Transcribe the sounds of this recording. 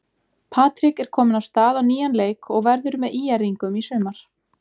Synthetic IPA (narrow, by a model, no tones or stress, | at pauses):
pʰaːt̪ɾɪkɛɾ̥kʰɔːmɪnaw̥st̪aːðawniːjanleːjkɔɣvɛɾðʏɾmɛðiːjaɾiŋkʏmisʏːmaɾ̥